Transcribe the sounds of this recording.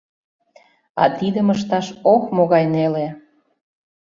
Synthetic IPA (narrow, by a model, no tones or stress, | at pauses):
ɑ̰t̪id̪əməʃ̬t̪ɑʃokmoɣɑjnele